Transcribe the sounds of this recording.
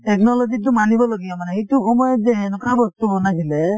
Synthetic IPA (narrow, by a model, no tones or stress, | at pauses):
tɛknɔlɔzit̬umanibɔloɡibɔmanɛhetuxɔmɔjɔzɛɛnukabɔstubɔnasilɛ